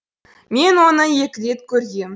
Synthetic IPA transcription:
mʲenʲonɤ̆jekʲlʲet̪̚kʲørʲɣʲem

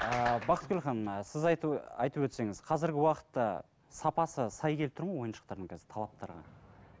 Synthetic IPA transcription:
əbɑqʰət̪̚ɡʲɵlχɑnsɪzɑ̰jt̪əpwɵt̪se̞ŋɪz̥qʰɑzɪɾɡʲɪwɑqə̥t̪ːɑ̰ | sɑpɑsəsɑjkʲʰelp̚t̪ʰʊɾmɑjwo̞jənʃə̥qt̪ɑɾd̪əɴŋkʲʰæzɪ̥ɾt̪ʰɑlˠɑp̚t̪ɑ̰ɾʁɑ̰

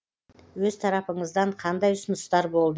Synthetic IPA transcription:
wɵzt̪ʰɑɾɑpəɴəzd̪ɑɴqʰɑnd̪ɑjʊsənəst̪ɑɾbo̞lˠd̪ə

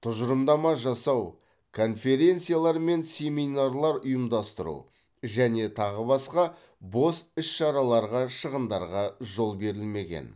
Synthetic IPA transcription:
t̪ʰʊʒəɾəmd̪ɑmɑʒɑsɑw | kʰo̞nfe̞ɾe̞nt̪sɨijalˠɑɾme̞nsʲe̞mijnarlˠɑɾʊjəmd̪ɑst̪əɾṵ | ʒæne̞t̪ʰɑʁəbɑsqɑ | bo̞sɪʃʃɑɾɑlˠɑɾʁɑʃəʁənd̪ɑ̰ɾʁɑʒo̞lˠbe̞ɾɪlme̞ɡʲe̞̰n

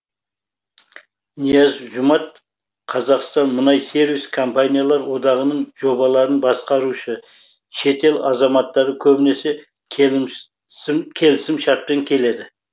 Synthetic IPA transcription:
nijɑzʒʊmɑt̪̚ | qʰɑzɑqst̪ɑnmʊnɑjse̞ɾviskʰompanʲijalˠɑɾwo̞d̪ɑʁənəɴʒ̥o̞bɑlˠɑɾənbɑsqɑɾuʃə | ʃe̞t̪e̞lɑzɑmɑt̪ːɑɾd̪əkʲʰɵbɪne̞se̞ | kʲʰe̞lɪsɪmʃɑɾt̪̚peŋkʲʰe̞le̞d̪ɪ

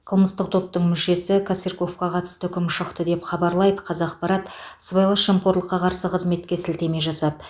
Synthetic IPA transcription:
qʰəlˠməst̪əq̚t̪ʰo̞p̚t̪əɴmʏʃe̞sɪkʰaserko̞fkɑqʰɑt̪ə̥st̪əɵkʲɪmʃəqt̪əd̪e̞pχɑbɑɾlˠɑjd̪əqʰɑzɑqpɑɾɑt̪sbɑjlˠɑʃəmpoɾlˠəqːɑqʰɑɾsəqʰəzme̞t̪̚kʲe̞sɪlt̪e̞me̞jʒɑsɑd̪ə

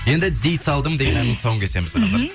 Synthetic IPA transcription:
je̞nd̪ɪd̪ijsɑlˠd̪əɴd̪e̞ɡʲe̞nænɪŋsɑowəŋkʰʲese̞mɪzɑɑɾ

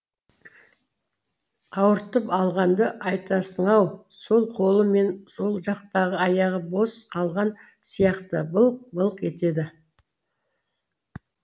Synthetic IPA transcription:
ɑwəɾt̪əpɑlˠʁɑnd̪əʔɑjt̪ɑsəɴɑw | so̞lˠqʰo̞lˠəme̞nso̞lˠʒɑqt̪ɑʁəɑjɑʁəbo̞sqʰɑlˠʁɑn | sijɑqt̪əbəlˠq̚bəlˠqe̞t̪e̞d̪ɪ

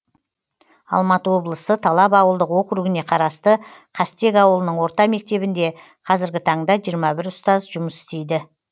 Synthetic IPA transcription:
ɑ̰lˠmɑt̪əwo̞blˠəsət̪ʰɑlˠɑpɑwəlˠd̪əqwo̞qɾuɡʲɪne̞qʰɑɾɑst̪əqʰɑst̪e̞kʲɑwəlˠənəɴwo̞ɾt̪ɑme̞k̚t̪e̞bɪnd̪e̞ | qʰɑzɪɾɡʲɪt̪ʰɑɴd̪ɑʒijəɾmɑbɪɾʊst̪ɑzʒʊməsɪ̥st̪e̞jd̪ɪ

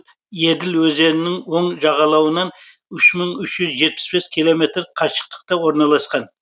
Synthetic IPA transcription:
je̞d̪ɪlwɵze̞nɪnɪŋwo̞ɴʒɑʁɑlˠɑwənɑn | ʏʃməɴʏʃʒʏzʒe̞t̪̚pɪ̥sbe̞skʲʰilˠo̞me̞t̪ɾqʰɑʃə̥q̚t̪ə̥q̚t̪ɑwo̞ɾnɑlˠɑsqɑn

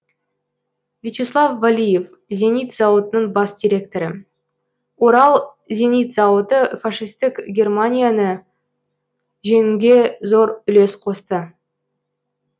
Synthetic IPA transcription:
vʲet͡ʃeslˠɑfːalʲije̞f | zʲe̞nijt̪zɑwət̪ənəɴbɑsd̪ʲiɾʲe̞k̚t̪o̞ɾə | wo̞ɾɑlˠ | zʲe̞nijt̪zɑwət̪əfaʂijst̪ɪkʲɡʲe̞rmanʲijanə | ʒeŋɪŋɡʲe̞zo̞ɾʏle̞sqʰo̞st̪ə

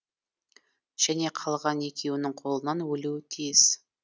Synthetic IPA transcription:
ʒ̥æne̞qʰɑlˠʁɑne̞kʲe̞wɪnɪŋqʰo̞lˠənɑnwɵluwɪt̪ʰijɪz̥

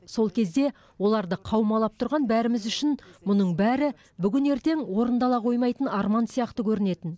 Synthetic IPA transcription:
so̞lˠkʲʰe̞z̪d̪e̞ | wo̞lˠɑɾd̪əqʰɑwmɑlˠɑp̚t̪ʰʊɾʁɑnbæɾɪmɪzʏʃɪnmʊnəɴbæɾɪ | bʏɡʲɪne̞ɾt̪e̞ŋwo̞ɾənd̪ɑlˠɑqʰo̞jmɑjt̪ənɑɾmɑnsijɑqt̪əkʲʰɵɾɪne̞t̪ɪn

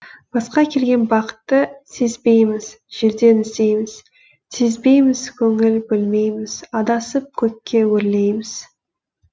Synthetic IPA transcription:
b̥ɑsqɑkʲʰe̞lɡʲe̞nbɑqə̥t̪ːəsezbe̞jmɪz | ʒ̥e̞ɾd̪e̞nɪst̪e̞jmɪz̥ | sezbe̞jmɪz̥kʲʰɵŋɪlbɪlme̞jmɪz̥ɑd̪ɑsəp̚kʲʰɵkʲːe̞wɵɾle̞jmɪz̥

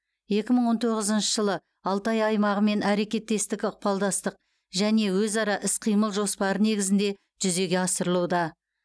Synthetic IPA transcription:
je̞kʲɪməɴwo̞nt̪ʰo̞ʁəzənʃəʒəlˠə | ɑlˠt̪ɑjɑjmɑʁəme̞nʔæɾe̞kʲe̞t̪ːe̞st̪ɪkʲʊq̚pɑlˠd̪ɑst̪əq̚ | ʒæne̞wɵzɑɾɑʔɪsqʰijməlˠʒo̞spɑɾəne̞ɡʲɪzɪnd̪e̞ | ʒ̥ʏze̞ɡʲe̞ɑsəɾəlˠuwd̪ɑ

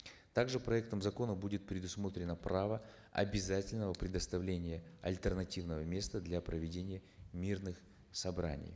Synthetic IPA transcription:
t̪aɡʐɨpɾɐɛk̚t̪əmzɐko̞nəbudʲɪt̪̚pɾʲɪd̪ʊsmo̞t̪ɾʲɪnəpravə | ɐ̰bʲɪzatʲɪlʲnəvəpɾʲɪd̪əst̪ɐvlʲenʲɪjəɐ̰lʲt̪ʲərnɐtʲivnəvəmʲe̞st̪əd̪lʲapɾəvʲɪdʲenʲɪjə | mʲirnɨx | sɐbɾa̰nʲɪ̰j

